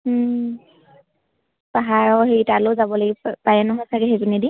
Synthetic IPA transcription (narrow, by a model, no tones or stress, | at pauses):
paɦaɹɔheitaloʊzabɔlaɡipaɹɛnɔɦɔjsakɛɦeɡunedi